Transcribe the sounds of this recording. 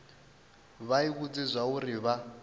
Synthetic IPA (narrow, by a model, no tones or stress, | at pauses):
βaiβut͡sʼizʷauriβa